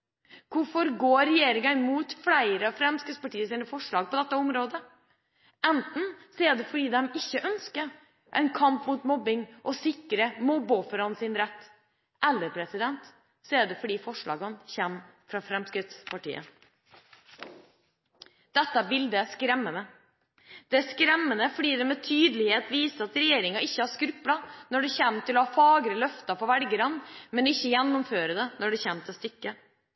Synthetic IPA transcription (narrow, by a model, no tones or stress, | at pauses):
kʊfɔɾɡoːɾɛjeːɾɪŋəmuːt̪flæɪɾəɑfɾɛmskɾɪt̪spɑʈiːəsiːnəfɔʂɭɑːɡ̚pɔd̪ɛt̪ːəʊmɾoːd̪ə | ɛnt̪n̩seːd̪əfɔɖiːd̪ɛmɪçːəʔœnskəɾ | ʔɛ̰ɪnkʰɑmpmuːt̪mɔbɪŋʔɔsɪkɾəmɔːboːfɔɾɑnsɪnɾɛt̪ː | ʔɛlːəɾpʰɾɛsɪd̪ɛnt̪ | seːd̪əfɔɖiːfɔʂɭɑ̰ːɡənçɛmːfɾɑfɾɛmskɾɪt̪spʰɑʈḭːə̰ | d̪̥ɛt̪ːəbɪld̪ɛskɾɛmːənə | d̪̥ɛæskɾɛmːənəfɔɖiːd̪ɛmɛt̪ʰyːd̪əlɪheːt̪ʋiːsəɾɑt̪ɾɛjeːɾɪŋɑɪçːəhɑʂkɾʉplɑnɔɖɛçɛmt̪ɪlɔhɑːfɑːɡɾəlœft̪ɑfɔɾʋɛlɡəɾɑnmɛnɪçːəjɛnːʊmføːɾəd̪ɛnɔɖɛçɛmt̪st̪ʏkːə